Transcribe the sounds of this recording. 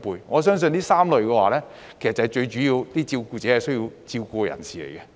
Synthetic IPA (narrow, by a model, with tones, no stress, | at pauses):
puː˨˧jŋɔː˨˧s̬œː˥ŋs̬ɵ˧niː˥saː˥mlɵ˨˩ɥkɛː˧waː˨˩lɛː˥ | kʰe˨˩sɐ˨tt͡sɐ˨ɐ˨˩t͡ʃɵ˧ɥt͡ʃy˨˥jiː˧wt̪iː˥t͡siː˧wkuː˧t͡sɛː˨˥hɐ˨˩jsɵ˥ɥji˧wt͡siː˧wkuː˧kɔ˧jɐ̰˨˩nsiː˨lḛ˨˩jkɛ˧